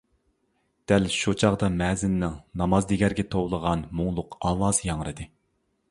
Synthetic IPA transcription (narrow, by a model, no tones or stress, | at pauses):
d̪̥ælʃut͡ʃʰɑʁd̪ɑmɛzɪnːɪŋnɑmɑzd̪eɡʲæɾɡʲɛt̪ʰowlˠəʁɑnmuŋlˠʊqɑlˠɑːsjɑŋɾɨd̪ɨ